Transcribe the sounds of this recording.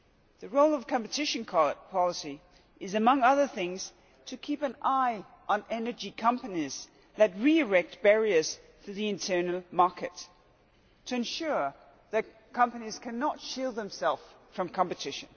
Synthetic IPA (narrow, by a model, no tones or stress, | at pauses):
ðɨɹoʊlˠʌv̥kʰɑ̃mpɨtʰɪʃɨ̃nkʰɑlpʰɑlˠəsi | ɨzɨmʌ̃ŋʌðə˞θɪ̃ŋz̥ | tʰɨkʰipɨ̃naɪ | ʔə̃nɛnə˞d͡ʒikʰʌ̃mpɨniz̥ | ðɨt̚ɹiɨɹɛk̚t̚b̥ɛɹiə˞z̥ | fəðiɨ̃ntʰɜ˞nl̩ˠmɑɹkɨtʰ | ɨɨ̃nʃʊɹ | ðɨt̚ | kʰʌ̃mpɨniz̥kʰæ̃nətʃilˠd̪̚ðə̃msɛlˠffɹʌ̃mkʰɑ̃mpɨtʰɪʃɨ̃n